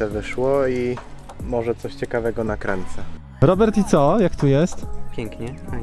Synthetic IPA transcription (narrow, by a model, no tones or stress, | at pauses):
ɛvɘʂwɔi | mɔʐɛt̪sɔɕt͡ɕɛkavɛɡɔnakɾɛnt̪sɛ | ɾɔbɛɾt̪it̪sɔjakt̪ujɛst̪pʲjɛŋkɲɛa